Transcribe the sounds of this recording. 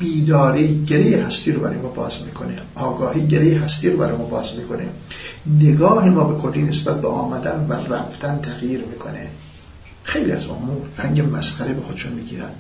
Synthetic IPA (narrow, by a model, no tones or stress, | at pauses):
b̥iːd̪ɒːɾiːɟeɾejehæst̪ʰiːɾobæɾɒ̰jemɒːbɒ̰ːzmiːkʰo̞nḛʔɒːɡɒːhiːɟeɾejeɦæst̪iːɾobæ̰ɾɑ̰jmɒːbɒːzmiːkʰo̞neneɡɒːhimɒːbe̞kʰolːiːnesbæt̪̚beʔɒ̰ːmæd̪ænværæft̪ʰænt̪ʰæɣjiːɾmiːkʰo̞̰nḛ | xe̞jliːæ̰zo̰muːɾræŋɟemæsxæɾebexod̥̪ʃunmiːɟiːɾæ̰nd̥̪